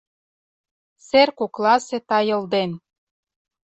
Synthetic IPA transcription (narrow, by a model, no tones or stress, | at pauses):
serkoklɑset̪ɑjɤ̆ld̪en